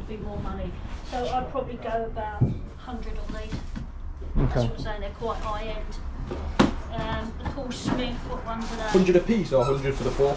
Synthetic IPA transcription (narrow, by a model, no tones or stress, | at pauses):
bimɔːmʌnisoʊaɪpʰɹ̥ɒbəbliɡəʊəbaʊʔ | hʌ̃ndɹədəneɪt | okʰːseɪɪ̃ŋðəkʰw̥ɔʔhaɪɛ̃nd̥ | ʌ̃məkʰɔlsmɪkʰɔʔɹʌ̃nfəðəhʌ̃ndɹəɾə̥pʰizəɦʌ̃ndɹəd̥fəðəfʰɔ